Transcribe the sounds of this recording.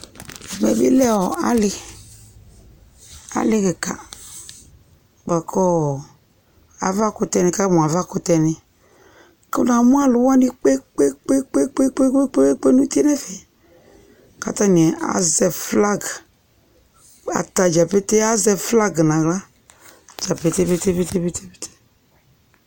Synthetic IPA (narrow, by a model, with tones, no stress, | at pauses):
mɛ˨bḭ˦lɛ˦˨wɔ˨a˨lɪ˦ | a̰˨lɪ˦ke˨ka̰˨ | ɡ͡ba˨kʰɔ˦˨ | a̰˨va˦kʊ˦t̪ɛ˧nɪ̃˨ka˦mũ˨a˨va˦kʊ˨t̪ɛ˨nɪ̃˨ | ke˦nã˨mũ˦a˦lʊ˨wa˦ni˦k͡pe˦k͡pe˦k͡pe˦k͡pe˦k͡pe˦k͡pe˦e˦k͡pe˦k͡pe˦nũ˦t̪i˦e˦nɛ˦fe˨ | ka̰˨t̪ã˦nĩ˨ɛ˨ʔa̰˨zɛ˨fla˦ɡ | a̰˨t̪a˨d͡ʒa˨pe˦t̪e˦a˦zɛ˨fla˦ɡnã˨ɣla˦ | d͡ʒa˨pe˦t̪e˦pe˦t̪e˦pe˦t̪e˦pe˦t̪e˦pe˦tʰe̥˦